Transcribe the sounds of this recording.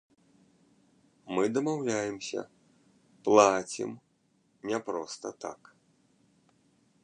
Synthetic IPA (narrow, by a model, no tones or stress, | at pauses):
mɨd̪ɐmawlʲajɛmsʲɐ̰ | plˠat͡sʲḭm | nʲɛpɾɔst̪ɐt̪a̰k